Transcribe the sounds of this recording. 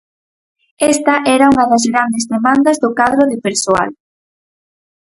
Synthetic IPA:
ɛst̪ɐʔɛɾɐuŋɐðɐzɣɾand̪ezðemand̪ɐzðʊkaðɾʊðɪpeɾsoa̰l

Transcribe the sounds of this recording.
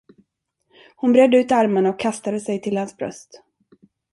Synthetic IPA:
hʊnbɾɛd̪ːəʉ̟ːt̪aɾmaɳaɔkʰːast̪ad̪əsɛjt̪ʰɪlhansbɾœ̰st̪

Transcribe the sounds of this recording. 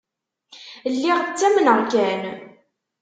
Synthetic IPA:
lːiʁt͡sːæmənəʁkæn

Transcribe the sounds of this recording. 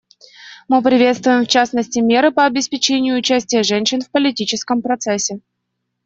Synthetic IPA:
mɨpɾʲɪvʲe̞t̪st̪vʊjɪmft͡ɕasnəsʲtʲɪmʲeɾɨpəɐbʲɪspʲɪt͡ɕenʲɪjʊːt͡ɕæsʲtʲɪjəʐɛnʲɕɪnfpəlʲɪtʲit͡ɕɪskəmpɾɐt̪sɛsʲːɪ

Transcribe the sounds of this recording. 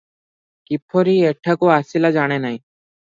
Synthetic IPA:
kipʰːoɾieʈʰakoaːsilad͡ʒaːɽ̃enaĩ

